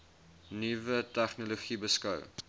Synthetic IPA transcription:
nivətæχnoloχibəskœw

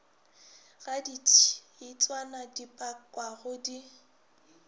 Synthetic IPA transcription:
ɣaditʰi̥ | it͡sʼwanadipʼakʼwaɣʊdi

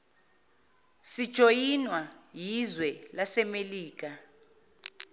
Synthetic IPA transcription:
sid̥ʒ̥ʱojinwajizwɛlasɛmeliːk̬a

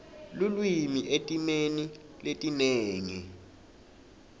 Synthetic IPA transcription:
lulwimiʔetʼimeni | letʼineːŋḭ

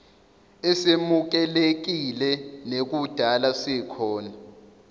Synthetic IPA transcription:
ɛsemuk̬ɛlek̬ilɛnek̬ud̥ʱalasɛkʰɔːna

